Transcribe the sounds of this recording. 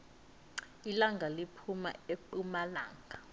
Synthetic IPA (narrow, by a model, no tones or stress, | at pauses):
ilaŋɡʱalipʰuma̰eǃumala̰ːŋɡʱa